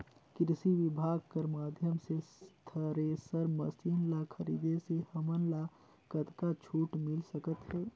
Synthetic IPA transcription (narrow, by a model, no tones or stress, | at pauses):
kɾɪsiʋɪbʱaːɡ̚kəɾmaːd̪ʱjəmsest̪ʰəɾesəɾmɐsiːnlakʰəɾḭːd̪esehəmənla | kət̪kat͡ʃʰuːʈmɪlsəkət̪ɦɛː